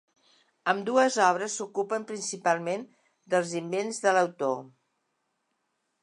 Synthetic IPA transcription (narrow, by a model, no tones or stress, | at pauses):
əmd̪uəzɔβ̞ɾəsːukupəmpɾinsipalˠmen | d̪əlˠzimbenzðələwt̪o